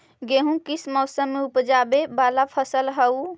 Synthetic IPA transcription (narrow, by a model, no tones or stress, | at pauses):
ɡeɦũkismɔsəmːeupd͡ʒabebalapʰəsəlɦəu